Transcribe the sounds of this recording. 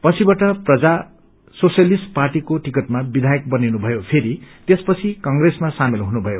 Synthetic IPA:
pʌt͡sʰibaʈʌprʌd͡za | sosjʌlisʈparʈikoʈikʌʈ̚mabid̪ʱajʌk̚bʌninubʱʌjopʰeɾit̪espʌt͡sʰikʌŋɡresmasamelɦunubʱʌjo

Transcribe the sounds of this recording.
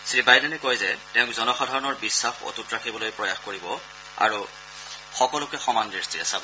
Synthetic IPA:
sɹibajdɛnɛkɔjzɛtɛʊ̃kzɔnɔxadʱaɹɔnɔɹbisːaxo̰tutɹakʰibɔlojpɹɔjaxkoɹibɔ | a̰ɹu | xɔkɔlʊkɛxɔmandɹistiasab

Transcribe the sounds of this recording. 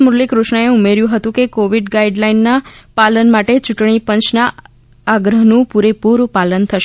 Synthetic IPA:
muɾlikɾʊʃɳəeumeɾjũɦət̪ũkekoʋiɖɡaiɖlainːapalənmaʈet͡ʃuʈɳ̃ipə̃ɲt͡ʃnaː | ɡɾəɦnũpuɾepuɾpalənt̪ʰəʃ

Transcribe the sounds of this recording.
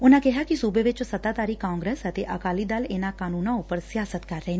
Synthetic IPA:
ʊnãːkɛɦaːkisuːbeʋɪt͡ʃsət̪aːt̪aːɾiːkãːŋɡɾeːsət̪eʔəkaːlid̪aːlɪnakaːnuːnãʊpəɾsɪjaːsət̪kəɾːəɦen

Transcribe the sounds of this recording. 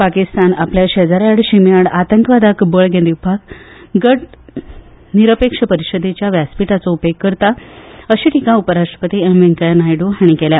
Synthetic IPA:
pakist̪anapljaɕed͡zaɾaɽɕimjaɽat̪əŋkəʋad̪akbəɭɡʱẽnd̪iwbʱakɡəʈ | niɾəpekʂəpəɾiɕəd̪ʱet͡ɕjaʋjaspiʈat͡sɔupekːəɾt̪aəɕiːʈʰikaupəɾaʂʈɾə̥pət̪iːemʋeŋkanajɖoɦaɽ̃ikɛlja

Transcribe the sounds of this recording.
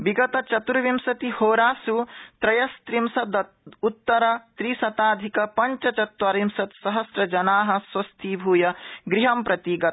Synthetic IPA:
ʋiɡɐt̪ɐt͡ʃɐt̪uɾɐʋimsɐt̪ihoːɾaːsut̪ɾɐjɐst̪ɾimsɐd̪ | ut̪ːɐɾɐt̪ɾisɐt̪aːd̪ʱikɐpɐɲt͡ʃɐt͡ʃɐt̪ʋɐɾimsɐt̪sɐɦɐsɾɐd͡ʒɐnaːɦɐ̆swɐst̪ʰibʱuːjɐɡɾiɦɐmpɾɐt̪iːɡɐt̪

